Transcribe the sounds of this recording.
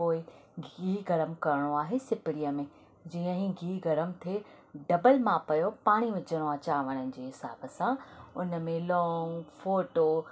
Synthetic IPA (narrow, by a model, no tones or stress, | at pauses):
oːɪɡiːɡɐɾəmkɐɾɪɽ̃oaːɦesɪpɪɽijəmẽ | d͡ʑiːə̃ɦĩɡiːɡɐɾəmt̪ʰe | ɖɐbəlmãpɐjopaːɽ̃iʋɪd͡ʑəɽ̃oaːt͡ɕaːʋɐɽ̃ənɪ̆d͡ʑeːɦɪsa̰ːbəsãʊnəmẽlɔːŋɡfoːʈoː